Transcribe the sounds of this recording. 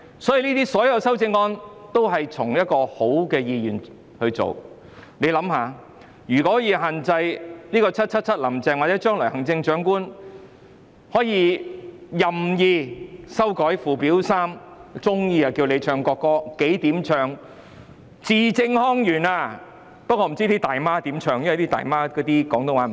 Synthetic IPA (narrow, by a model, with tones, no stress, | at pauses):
sɔː˨˥jiː˨˧niː˥t̪iː˥sɔː˨˥jɐ˨˧wsɐ˥wt͡sɪ˧ŋɔː˥nt̪o˥wɦɐ˨jt͡sʰʊ˨˩ŋjɐ˥t̚kɔː˧ho˨˥wkɛː˧jiː˧jyː˨˩n | hɵ˧ɥt͡so̰˨w | ne˨˧jlɐ˨˥mhaː˨˧ | ɥyː˨˩kɔ˨˦˥ɔ˥jiː˧ɦaː˨nt͡sɐ˧jniː˥kɔː˧t͡sʰɐ˥t̚t͡sʰɐ˥t̚t͡sʰɐ˥t̚lɐ˨˩mt͡sɛː˨ŋwa˨t͡sɛː˨˥t͡ʃœː˥ŋlɔː˨˩jhɐ˨˩ŋt͡sɪ˧ŋt͡ʃœː˨˥ŋkuː˥n | hɔː˨˥jiː˧ | jɐ˨mjiː˧sɐ˥wkɔː˨˥jfuː˨˩piː˨˥wsaː˥mt͡sʊ˥ŋjiː˧ɐ˨˩kiː˧wle˨˧jt͡ʃʰœː˧ŋkɔː˧kːɔː˧ke˨˥jt̪iː˨˥mt͡ʃʰœː˨˧ŋ | t͡siː˨˧t͡sɪ˧ŋhɔː˥ŋjyː˨˩naː˧ | pɐ˥kɔː˧m̩˨˩t͡siː˥t̪iː˥t̪aː˨jmaː˥t̪iː˨˥mt͡ʃʰœː˧ŋjwɐ˨jt̪i˥t̪a̰ː˨jmaː˥kɔː˨˥t̪iː˥kɔː˨˥ŋt̪o˧waː˨˥˨